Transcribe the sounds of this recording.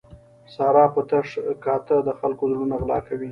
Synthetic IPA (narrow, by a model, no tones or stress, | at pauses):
sɑɾɑpət̪aʂkɑt̪əd̪əxalkozulunaɣlɑ̰kawi